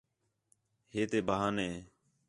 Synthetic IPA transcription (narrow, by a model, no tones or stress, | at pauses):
heːt̪eːbəɦaːnɦeː